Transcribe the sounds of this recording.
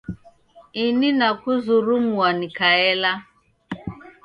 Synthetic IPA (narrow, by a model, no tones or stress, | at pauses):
ininakuzuɾumuanikaɛla